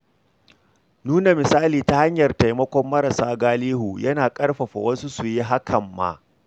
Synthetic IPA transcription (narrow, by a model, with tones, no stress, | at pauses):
nuː˦na˨mɪ˨saː˦liː˨ta˦ha˦ɲjɐ˨rta˨jmɐ˦kʷɔ˦mːɐ˦ɾa˨saː˦ɡaː˦liː˦ɦu˨jɐ˦naː˨kʼɐ˦rɸɐ˨ɸa̰˨wɐ˦nsu˦su˨ji˦ɦa˦kʰɐ˨mːa̰˦ʔ